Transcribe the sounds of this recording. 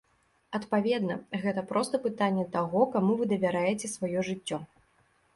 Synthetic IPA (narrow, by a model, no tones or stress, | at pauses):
ɐt̪pavʲɛd̪nɐɣɛt̪ɐpɾɔst̪ɐpɨt̪anʲːɛt̪aɣɔkamuvɨd̪ɐvʲaɾajɛt͡sʲɛsvajɔʐɨt͡sʲːɔ